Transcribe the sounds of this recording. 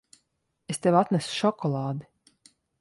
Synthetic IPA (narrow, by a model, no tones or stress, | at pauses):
est̪evat̪nʲæsu̥ʃɔkɔlˠɑːd̪i